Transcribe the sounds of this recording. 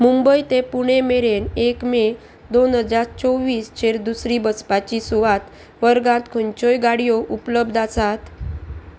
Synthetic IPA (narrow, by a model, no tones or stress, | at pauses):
mumbəjt̪epuɽ̃emeɾenekme | d̪onɦəd͡zaɾt͡sɔʋiːst͡ɕʰeɾd̪usɾibəspat͡ɕisuʋat̪ | ʋəɾɡãt̪kʰuɲt͡ɕojɡaɽijoʔupləbd̪ʱasat̪